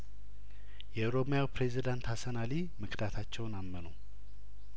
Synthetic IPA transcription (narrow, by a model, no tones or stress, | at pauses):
jɛoɾo̞mjawpɾezid̪ant̪hasənali | mɨkd̪at̪ʰat͡ʃːɛwnamːənu